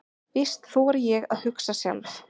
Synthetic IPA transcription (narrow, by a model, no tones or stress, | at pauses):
vɪst̪θuaɾjɛɣaðhʏksasja̰mθ